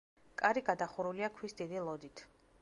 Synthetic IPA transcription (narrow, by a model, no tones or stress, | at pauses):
kʼaɾiɡad̪aχuɾuliakʰwisd̪id̪ilˠɔd̪it̪ʰ